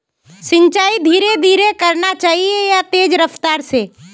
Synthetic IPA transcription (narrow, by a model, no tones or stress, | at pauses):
sɪ̃ɲt͡ʃaːid̪ʱiːɾed̪ʱiːɾekəɾnat͡ʃaːɦiejat̪eːd͡ʒɾəft̪aːɾseː